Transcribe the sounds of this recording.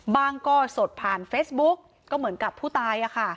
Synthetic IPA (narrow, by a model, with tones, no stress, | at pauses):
baː˧ŋkɔː˧˩so˨˩t̪̚pʰaː˨˩nfeː˦˥sbu˦˥k̚ːɔː˥˩mɯ˩˦ənka˨˩pʰːuː˥˩t̪aː˧jʔa˨˩kʰa˥˩